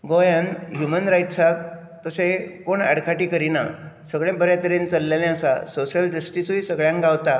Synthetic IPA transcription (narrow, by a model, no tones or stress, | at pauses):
ɡojãnɦjumənɾajʈsak̚ | t̪əsekoɳɛ̰ɽkʰaʈiːkəɾina̰səɡɭãbəɾjat̪əɾẽnt͡səlːelẽəsa̰soɕəlɖəsʈisuisəɡɭjãŋɡawt̪a